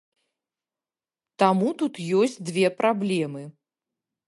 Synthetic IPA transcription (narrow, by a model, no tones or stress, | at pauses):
t̪amut̪ut̪jɔsʲt͡sʲd̪vʲɛpɾablʲɛmɨ